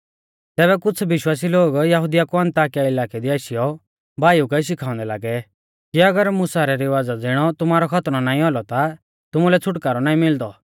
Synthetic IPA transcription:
t̪ɛːbɛkʊt͡sʰʋɪʃwaːs̬iloːɡjɐɦud̪ijakuɐ̃nt̪aːkijaɪlaːkɛd̪iaːʃijɔ | bʱaːjukɐiʃ̬ɪkʰaːʊ̃nd̪ɛla̰ːɡɛ | kiɐɡəɾmʊsaɾɛɾiʋaːd͡zad͡zɪɽ̃ɔt̪ʊmaːɾɔkʰɐt̪ñɔnaːĩɔlɔt̪a | t̪ʊmulɛt͡sʰʊʈkaːɾɔnaːĩmɪld̪ɔ

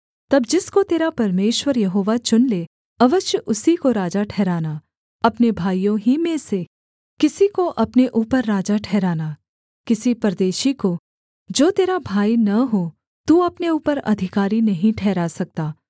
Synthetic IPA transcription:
t̪ɐbd͡ʒɪskot̪eːɾapɐɾmeːʃwəɾjɐɦoːʋat͡ʃʊnle | ɐʋəʃjəʔʊsikoɾaːd͡ʒaʈʰɛːɾaːna | ɐpnebʱaːijõɦimẽse | kɪsikoʔɐpneʔuːpəɾːaːd͡ʒaʈʰɛːɾaːna | kɪsipɐɾd̪eːʃiko | d͡ʒoːt̪eːɾabʱaːinɐɦo | t̪uɐpneuːpəɾɐ̰d̪ʱɪkaːɾinɐɦĩʈʰɛːɾasɐk̚t̪aː

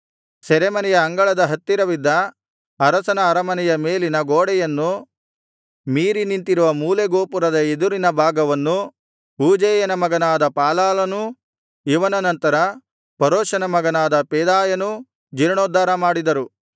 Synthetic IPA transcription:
sɛɾemɐnɛjɐːŋɡɐɭɐd̪ɐɦɐt̪ːiɾɐʋid̪ːɐː | ɾɐsɐnɐːɾɐmɐnɛjɐmeːlinɐɡoːɽɛjɐnːu | miːɾinint̪iɾuʋɐmuːleɡoːpuɾɐd̪ɐed̪uɾinɐbʱaːɡɐʋɐnːu | uːd͡ʒeːjɐnɐmɐɡɐnaːd̪ɐpaːlaːlɐnu | iʋɐnɐnɐnt̪ɐɾɐ | pɐɾoːʃɐnɐmɐɡɐnaːd̪ɐpɛːd̪aːjɐnu | d͡ʒiɾɳoːd̪ːaːɾɐmaːɽid̪ɐɾu

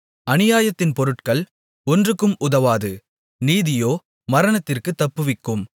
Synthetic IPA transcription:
ɐnɪjaːjɐt̪ːɪnpɔɾɯʈkɐɭ | ɔndrɯkːɯmʊðɐʋaːðɯ | niːðɪjoː | mɐɾɐɳɐt̪ːɪrkɯt̪ːɐpːɯʋɪkːɯm

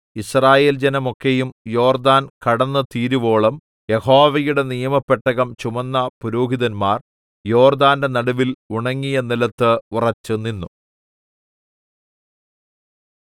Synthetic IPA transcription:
israːje̞ːld͡ʑɐnɐmo̞kːejumjo̞ːrd̪aːnkɐɽɐnːɐt̪iːɾuʋo̞ːɭɐm | je̞ho̞ːʋɐjuɽe̞nijɐmɐpːeʈːɐɣɐmt͡ɕumɐnːɐpuɾoːɦiðɐnmaːr | jo̞ːrd̪aːnde̞nɐɽuʋiluɳɐŋːijɐnilɐt̪ːɨurɐt͡ɕːɨninːu

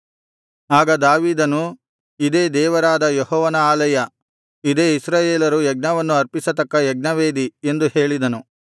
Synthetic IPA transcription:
aːɡɐd̪aːʋiːd̪ɐnu | id̪e̞ːd̪ɛːʋɐɾaːd̪ɐjeɦɔːʋɐnɐaːlɐjɐ | id̪e̞ːisɾaːjeːlɐɾujɛɡ̚nɐʋɐnːuɐɾpisɐt̪ɐkːɐjɛɡ̚nɐʋeːd̪ie̞nd̪uhe̞ːɭid̪ɐnu

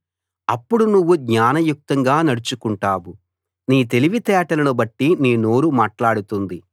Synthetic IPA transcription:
ɐpːuɽunuʋːuɡɲaːnɐjuk̚t̪ɐŋɡaːnɐɽut͡ʃukuɳʈaːwu | niːt̪e̞liʋit̪ɛːʈɐlɐnubɐʈːiniːno̞ːɾumaːʈlaːɽut̪und̪i

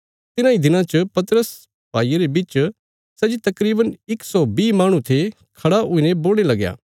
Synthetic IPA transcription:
t̪ɪnãid̪ɪnãt͡ʃɐpɐt̪əɾəs | baːijaɾebɪt͡ʃ | sɐd͡ʒit̪ɐkɾiːbənɪksɔbiːmaːɽ̃ũt̪ʰe | kʰɐɽaʔʊinẽboːɽ̃elɐɡja̰ː

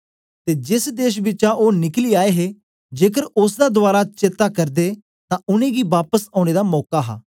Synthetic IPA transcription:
t̪eːd͡ʒɪsd̪eːʃ̬bɪt͡ʃãʔoːnɪkliːaːeɦeː | d͡ʒeːkəɾʊsd̪aːd̪ʊaːɾaːt͡ʃet̪aːkəɾd̪eː | t̪ãːʊnẽːɡiːʋaːpəsãːʊñeːd̪aːmɔːkaːɦa̰ː

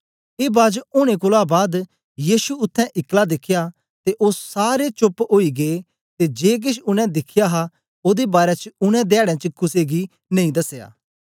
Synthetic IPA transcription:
eːbaːd͡ʒʊɽ̃ẽk̬ʊlabaːd̪ | jiːʃuʊt̪ʰːɛ̃ʔɪklad̪ɪkʰɪja | t̪eʔoːssaːɾet͡ʃʊpoːiɡe | t̪ed͡ʒeːk̬ɪʃʰʊnɛ̃d̪ɪkʰːɪjaɦa | oːd̪ebaːɾɛt͡ʃʊñɛ̃d̪ɛːɽɛ̃t͡ʃəkʊseɡi | nɐ̃ĩd̪ɐsja̰ː

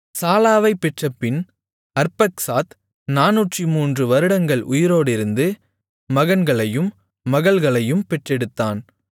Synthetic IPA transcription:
saːlaːʋɐɪpːɛʈrɐpːɪn | ɐɾpɐksaːt̪ | naːnuʈrimuːndrɯʋɐɾɯɽɐŋɡɐɭʔʊjɪɾoːɽɪɾɯnd̪ɯː | ɐɣɐnɡɐɭɐjɯmː | ɐɣɐɭɣɐɭɐjɯmpɛʈrɛɽɯt̪ːaːn

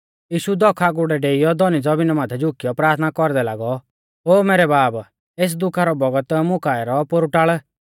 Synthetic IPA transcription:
jiːʃud̪ɔkʰaɡʊɽɛɖeːijɔd̪ɔnid͡zɔbɪnɔmaːt̪ʰɛd͡ʒʊkijɔpɾaːt̪ʰnakɔɾd̪ɛlaːɡɔ | oːmeːɾɛbaːb | eːs̬d̪ʊkʰaɾɔbɔɡət̪mʊkaːɛɾɔpoɾuʈaːɭ

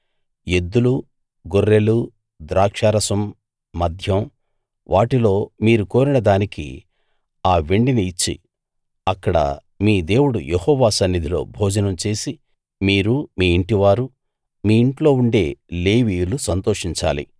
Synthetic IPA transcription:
jed̪ːulu | ɡorːelu | d̪ɾaːkʂaːɾɐsɐmː | ɐd̪ʱjɐm | ʋʔaːʈilo̞ːmiːɾuko̞ːɾinɐd̪aːnikḭ | aːʋeɳɖiniːt͡ʃːḭ | ɐkːɐɽɐ̰ | miːd̪e̞ːwuɽṵjehɔːʋaːsɐnːid̪ʱilo̞̰ːbʱɔːd͡ʒɐnɐmt͡ʃe̞ːsi | miːɾumiːiɳʈiʋaːɾu | miːiɳʈlo̞ːuɳɖe̞ːle̞ːʋiːjulusɐnt̪oːʂiɲt͡ʃa̰ːlḭ

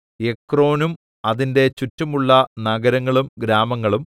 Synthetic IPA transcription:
ekro̞ːnum | ɐðinde̞t͡ɕutːɐmuɭːɐnɐɡɐɾɐŋːɐɭumɡɾaːmɐŋːɐɭum

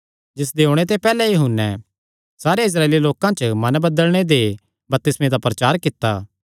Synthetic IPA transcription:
d͡ʒɪs̬d̪eoɽ̃et̪̬epɛːlɛjɐɦʊnːɛ | saːɾeɪs̬ɾaːeːliloːkãt͡ʃmɐnbɐd̪əlɽ̃ed̪e | bɐp̚t̪ɪsmẽd̪apɾɐt͡ʃaːɾkɪt̪ːaː

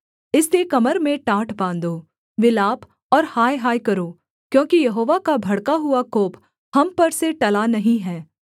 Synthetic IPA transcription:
ɪslekɐməɾmẽʈaːʈʰbãːnd̪oː | ʋɪlaːp | ɔːɾhaːjɦaːjkɐɾoː | kjõːkijɐɦoːʋakabʱɐɽkaɦʊakoːp | hɐmpɐɾseʈɐlanɐɦĩɦɛ̃ː

